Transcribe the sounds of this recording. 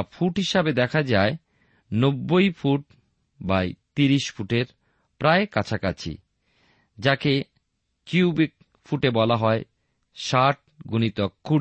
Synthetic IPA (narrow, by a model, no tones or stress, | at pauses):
fʰuʈɦiʃabed̪ɛkʰad͡ʑae | nobːojfʰuʈ | bajt̪iɾiʃfʰuʈeɾ | pɾaekat͡ɕʰaka̰t͡ɕʰḭ | d͡ʑake | kuubik̚ | fʰuʈebɔlaɦɔe | ʃaʈ̚ɡunit̪ɔkːu